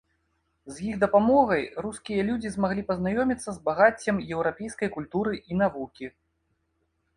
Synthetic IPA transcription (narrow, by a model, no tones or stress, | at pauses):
zjiɣd̪ɐpamɔɣɐjruskʲijɐlʲud͡zʲizmaɣlʲipɐznajɔmʲit̪sːɐzbaɣat͡sʲːɐmjɛwɾapʲɛjskɐjkulʲt̪uɾɨʔin̪avukʲi